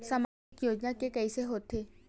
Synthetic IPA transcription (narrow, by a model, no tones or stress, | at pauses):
samaikjod͡ʒnakekəjseɦot̪ʰe